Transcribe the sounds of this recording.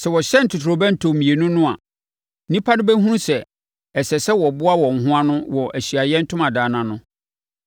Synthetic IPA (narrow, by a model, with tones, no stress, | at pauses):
sɛ˨wɔ˨ɕɛ˦n̩˨tʰʊ˨tʰɾo˨bæ̃˦n̩˨tʰo˨mĩ˨e˨nʊ̃˦nʊ̃˦a˨˦ | nĩ˦pʰa˦nʊ̃˦bɛ˦ɦũ˦ɾũ˦sɛ˨ | ɛ˨sɛ˨sɛ˦wɔ˨bʊ˦a˦wɔ̃˨ŋ̩˨ɦʊ̃˦a˦nʊ̃˦wɔ˨ʔæ˨ɕi˨a˨jɛ˦n̩˦tʰʊ̃˦mã˨daː˨nã˨nʊ̃˦